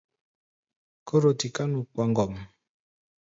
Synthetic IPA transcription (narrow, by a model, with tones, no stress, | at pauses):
ko˦ɾo˨ti˨ka˦nu˨k͡pwa˨ŋɡɔ˨m˨